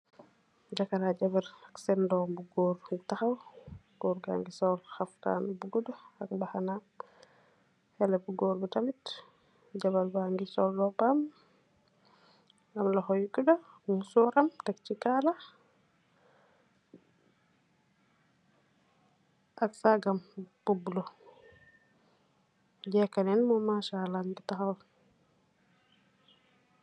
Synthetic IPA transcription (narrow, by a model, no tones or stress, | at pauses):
ɟakɐɾaɟɐbɐɾɐksɛndɔːmbuɡɔːrtaxɐw | ɡ̥ɔːɾɡa̰ŋɡisɔlxɐfta̰ːnbuɡudɔɐk̚baxanam | hɛlɛbuɡɔːɾbutamit | ɟɐbɐlbaŋɡisɔlːɔpaːm | ɐmlɐxɔjukudɔmusuːɾɐmtak̚t͡ʃikala | ʔaksaɡampubulɔ | ɟɛkanɛnmɔmaːʃalːaŋɡitaxal